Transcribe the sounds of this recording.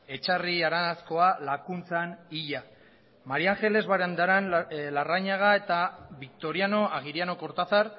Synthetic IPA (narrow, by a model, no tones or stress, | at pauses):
e̞t͡ʃariaɾanasko̞alakunt͡saniʎa | maɾiaŋxe̞le̞zβaɾend̪aɾanlaraɲaɣ̞ae̞t̪aβik̚t̪o̞ɾiano̞aɣiɾiano̞ko̞ɾt̪aθaɾ